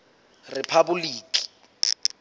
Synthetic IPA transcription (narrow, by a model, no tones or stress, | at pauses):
rɪpʰabuliːkʼi̥